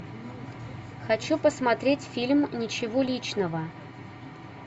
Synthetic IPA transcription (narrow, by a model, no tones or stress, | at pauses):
xɐt͡ɕupəsmat̪ɾʲetʲfʲilʲmnʲɪt͡ɕɪvolʲit͡ɕnəvə